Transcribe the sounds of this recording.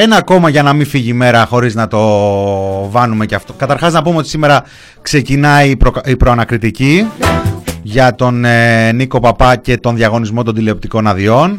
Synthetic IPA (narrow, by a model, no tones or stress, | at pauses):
enɐko̞mɐʝɐnɐminfiʝiːme̞ɾɐxo̞ɾiznɐt̪o̞ | vɐnume̞ceɐft̪o̞kɐt̪ɐɾxɐznɐpumeo̞t̪i̥sime̞ɾɐ | kse̞cinɐipɾoipɾo̞ɐnɐkɾit̪ici | ʝɐt̪o̞neniko̞pɐpɐce̞t̪o̞nðʝɐɣo̞nizmo̞t̪ond̪ileop̚t̪iko̞nɐðio̞n